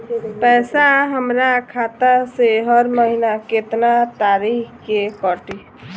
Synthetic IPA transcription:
pɛːsaɦəmɾakʰat̪aseɦəɾməɦinaket̪nat̪aɾikkekɔʈi

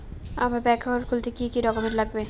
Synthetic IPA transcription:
amabɛkʰaoɾkʰult̪ekikiɾɔkomeɾlaɡ̚be

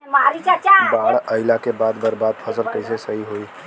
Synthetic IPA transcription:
maɾit͡ʃat͡ʃabaɽəɪlakebad̪bəɾbad̪̚pʰəsəɾkəɪsesəɦiɦoi

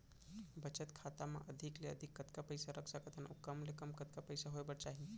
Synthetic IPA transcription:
bət͡ʃət̪kʰat̪amã̰ʔəd̪ʱikleə̰d̪ʱikːət̪kapəjsaɾəksakət̪ʰanṵkəmlekəmkət̪kapəjsaɦojbəɽt͡ʃaɦi

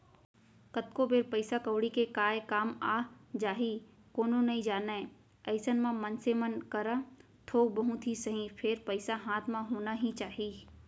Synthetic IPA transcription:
kət̪kobeɾpəɪsakəʋɽikekaːekaːmaːd͡ʒaːɦi | koːnõnɐɦĩd͡ʒaːna | əɪsənmãmənsemənkəɾə | t̪ʰoːɡ̚bɐɦʊ̃t̪ʰisəɦĩpʰeɾpəɪsaɦãːt̪ʰmãɦoːnaɦĩt͡ʃaːɦiː

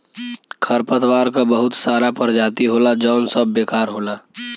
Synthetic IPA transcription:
kʰəɾpət̪waːɾkabəɦʊt̪saːɾapəɾd͡ʒaːt̪iɦoːlad͡ʒɔːnsəbːeːkaːɾɦoːlaː

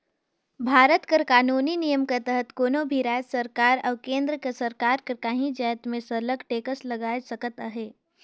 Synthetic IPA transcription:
bʱaːɾət̪kəɾkaːnuːninijəmket̪əɦət̪koːnobʱiɾaːd͡ʒsəɾkaːɾɔːkẽːnd̪ɾəkesəɾkaːɾkəɾkaːɦĩd͡ʒəːt̪mẽsɐləɡʈeːkəslɐɡaːesəkət̪aɦɛː

